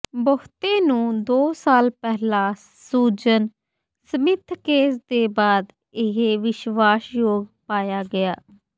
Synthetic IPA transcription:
bokt̪ẽːnũːd̪oːsaːlpɛɦlãː | suːd͡ʒən | səmɪt̪ʰkeːsd̪eːbaːd̪ | ɪɦeʋɪʃʋaːsjoːɡpaːjaːɡɪjaː

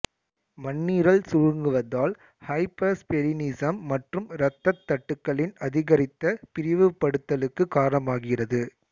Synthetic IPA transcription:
mɐɳːiːɾɐɭsʊɻɯŋɡɯʋɐðaːl | hɐɪpɐspɛlɪniːsɐmːɐʈrɯmɾɐt̪ːɐt̪ːɐʈːɯkːɐɭɪnɐðɪɣɐɾɪt̪ːɐpɪɾɪʋɯpːɐɽɯt̪ːɐlɯkːɯkaːɾɐɳɐmaːɣɪɣɪrɐðɯ

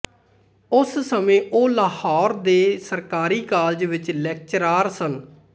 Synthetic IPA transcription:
ʊssəmẽːʔoːləɦɔːɾd̪eːsəɾkaːɾiːkaːld͡ʒʋɪt͡ʃlɛːk̚t͡ʃɾaːɾsən

